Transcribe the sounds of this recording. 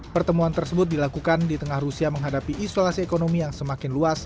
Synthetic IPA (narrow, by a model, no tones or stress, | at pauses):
pərt̪əmuant̪ərsəbʊt̪̚dilakukandit̪əŋahrusiaməŋɦadapiʔisolasiekonomijaŋsəmakɪnluas